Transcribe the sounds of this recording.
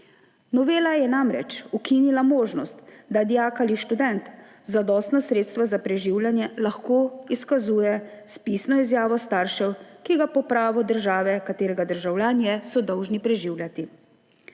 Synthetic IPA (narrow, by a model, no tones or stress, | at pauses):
nɔʋeːlajɛnamɾɛ̰t͡ʃukinilamoːʒnɔst̪d̪ad̪jakaliʃt̪ud̪ɛnt̪ | zad̪ɔst̪nɔsɾeːt̪st̪ʋazapɾɛʒiwljanjɛlaxkoːiskazuːjɛspisnɔizjaːʋɔst̪aɾʃɛwkiɡapɔpɾaːʋɔd̪əɾʒaːʋɛkat̪eːɾɛɡad̪əɾʒawlʲjaːnjɛsɔd̪ɔwʒnipɾɛʒiwlʲjat̪i